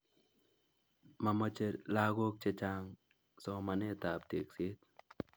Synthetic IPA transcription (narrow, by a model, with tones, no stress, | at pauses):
ma˨mə˧t͡ʃeɾla˦ɣo˦k̚t͡ʃe˧t͡ʃaŋ | soma˨ne˦t̪a˨pt̪i˨ksi˦t̪